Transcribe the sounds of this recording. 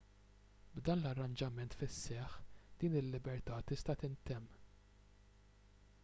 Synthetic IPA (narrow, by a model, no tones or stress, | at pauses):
bd̪ɐːnlɐrːɐnd͡ʒɐmɛnt̪fɪsːɛħd̪̥iːnɪlːɪbɛɾt̪ɐːt̪ɪst̪ɐt̪ɪnt̪ɛmː